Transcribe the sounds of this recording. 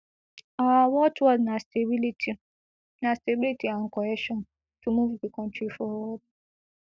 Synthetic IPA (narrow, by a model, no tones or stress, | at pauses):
awɔtwɔznastebiliti | nãstebilitiaŋ̩kɔɛʃɔ̃n | tumuvbikɔ̃ntɹifɔwɔb̚